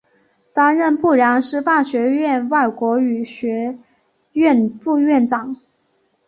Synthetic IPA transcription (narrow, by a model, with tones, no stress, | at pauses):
t̪a˥nɻə˥˧npu˥˩ɻjɑ˧˥ŋʂɻ̩˥fa˥˩ɕɥɛ˧˥ɥɛ˥˧nwa˥˩ɪkwɔ˧˥y˨˩ɕɥɛ˧˥ | ɥɛ˥˧˩nfu˥˧ɥɛ˥˩nʈ͡ʂɑ˨˩˦ŋ